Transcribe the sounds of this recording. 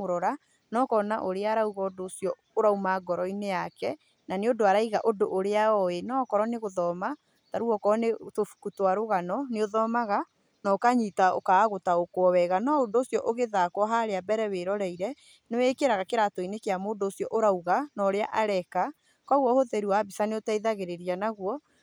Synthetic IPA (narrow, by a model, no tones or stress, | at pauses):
oɾɔɾa | nɔkɔna̰ʔoɾeaɾauɣɔːdoːsjɔ | oɾaumaɡɔɾɔinejakɛ | naneodoaɾaiɣaʔodoʔoɾeaɔenɔːkɔɾɔneɣoðɔma | taɾuɔkɔnetofu̥kutwaɾoɣanɔneoðɔmaɣa | naokaɲitao̰kaːɣotaokwɔwɛɣanɔondoːsjɔʔoɣeðakwɔɦaɾeabɛɾɛweɾɔɾɛiɾɛ | newɛkeɾaɣakeɾatɔinekeamoːndoːsjɔʔoɾauɣanɔːɾeaʔaɾɛka | kɔwɔhoðɛɾuwaːbisaneotaiðaɣeɾeɾianaɣwɔ